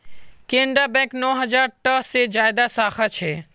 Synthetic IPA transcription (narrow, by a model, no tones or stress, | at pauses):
kẽɳɖɾabɛ̃knɔːɦəd͡ʒaɾʈəɦsed͡ʒaːjd̪asaːxʰat͡ʃʰe